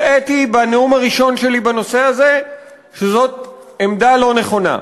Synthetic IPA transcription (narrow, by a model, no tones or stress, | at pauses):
etibaneumaʁiʃo̞nʃe̞libano̞seaze̞ | ʃezo̞t̚ | emd̪alo̞ne̞χo̞na̰